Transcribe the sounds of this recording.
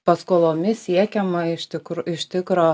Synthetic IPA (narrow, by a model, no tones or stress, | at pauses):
pɐskoːlˠoːmʲɪsʲiɛkʲɛmɐɪʃt̪ʲɪkɾɪʃʲt̪ʲɪkɾoː